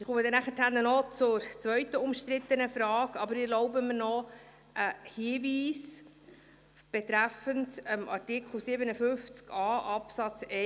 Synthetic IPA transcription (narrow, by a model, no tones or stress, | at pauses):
ɪχuməd̪ɛnæχəthænːənɔt͡sʊɾt͡sʋœɥt̪əʊmʃt̪ɾɪt̪ːənəfɾɑːɡɑbəɾɪlɔʊbəmənɔ | ʔəhiːviːs | b̥ɛt̪ɾæfəntəmʔɑ̰ɾtɪkʰl̩sɪːbənəfʏft͡skɑːʔɑpsɑt͡sɛ